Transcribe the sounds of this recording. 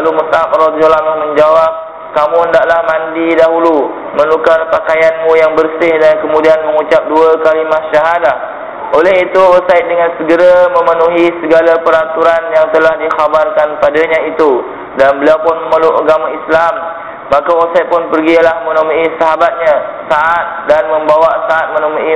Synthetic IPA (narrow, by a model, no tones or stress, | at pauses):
aluməsap̚ɾɔt̪ɡəlamɪhmə̃ɲd͡ʒawap̚ | kamũəndaʔlahmãndidaɦulu | mə̃nlukarpakajanmũjaŋbərsɪhdankəmũdianmə̃ŋut͡ʃap̚duakalimaʔʃaɦadah | olɛɦit̪uosaɪt̪̚dəŋansəɡəɾamə̃mənuɦisəɡalapəɾat̪uɾanjaŋt̪əlahdixabarkanpadaɲãit̪u | danbəliawpʊnməməluʔəɡamaislamː | ãkaosaj̪̚pʊnpərɡilahmə̃nomuisaɦabat̪̚ɲã | saʔat̪̚danmə̃mbawasaʔat̪̚mə̃nomuʔi